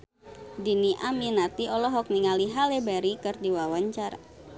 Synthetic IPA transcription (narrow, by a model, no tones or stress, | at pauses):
diniʔaminat̪iɔlɔɦɔk̚niŋaliɦalebaɾikɨrdiwawaɲt͡ʃara̰